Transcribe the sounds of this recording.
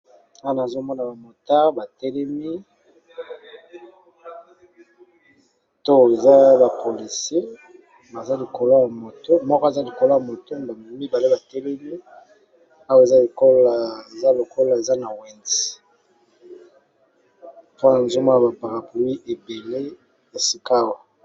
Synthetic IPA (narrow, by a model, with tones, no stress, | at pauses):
a˦a˨na˨zo˦mɔ˦na˨ba˨mo˨ta˦ba˨tɛ˦lɛ˦mi˦ | to˦e˨za˦ba˨po˨li˨sje˦ | ba˨za˦li˨ko˨lo˦ja˨mo˨to˦mɔ˦ka˨za˦li˨ko˨lo˦ja˨mo˨to˦ba˨mi˨˦mi˦ba˨le˦ba˨tɛ˦lɛ˦mi˦ | a˦wa˦e˨za˦le˨ko˦la˨e˨za˦lo˨ko˦la˨e˨za˦na˨we˨nzi̥˨ | po˦na˨nzo˦ma˦ja˨ba˨pa˨ʁa˨pu˨wi˦ʔe˨be˨le˦ | e˨si˦ka˦wa˨